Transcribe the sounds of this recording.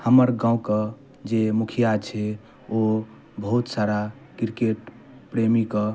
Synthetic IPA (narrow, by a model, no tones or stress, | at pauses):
həməɾɡãũkə | d͡ʒemukʰijat͡ʃʰɛ | o | bəɦut̪saɾa | kiɾkeʈ | pɾemikə